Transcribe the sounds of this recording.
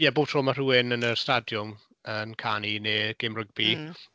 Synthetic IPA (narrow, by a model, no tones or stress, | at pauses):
jɛboːv̥tʰrɔːmar̥uːɪnənəstadjʊm | ənkʰanineːɡ̥ɪmrʊɡ̚bi